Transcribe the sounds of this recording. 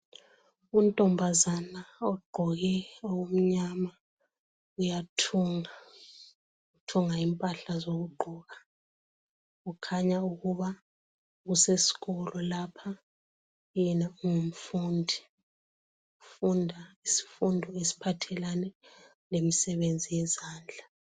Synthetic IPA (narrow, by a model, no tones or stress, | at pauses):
untʼɔmbʱazanaɔɡ͡ǃʱɔɣɛowum̩ɲama | ujatʰuŋa | utʰuŋaimpʼaɬazoɣuɡ͡ǃʱɔːɣa | ɣukʰaɲauɣuβa | ɣusesi̥ɣɔlɔlapʰa | jɛnauŋum̩fuːndʱi | ufundʱaisi̥fundʱɔesi̥pʰatʰɛlanɛ | lemisɛβend͡zʱijɛzaːnd͡ɮʱa